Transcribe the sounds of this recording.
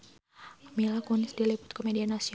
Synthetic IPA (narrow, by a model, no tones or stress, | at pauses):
milakunɪsdilipʊ̥t̪̚komedianasi